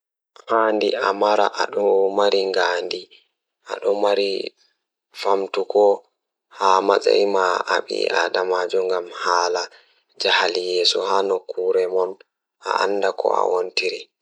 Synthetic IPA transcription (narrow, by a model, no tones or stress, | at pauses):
haːndiʔamaɾaʔaɗɔmaɾiŋɡaːndi | ʔa̰ɗɔmaɾi | famtukɔ | haːmat͡sa̰imaʔaɓḭaɗamad͡ʒɔŋɡamhaːla | d͡ʒahalijɛːsuhaːnɔkːuɾɛmɔn | a̰ʔa̰nːdakʰɔ̰a̰wontiɾi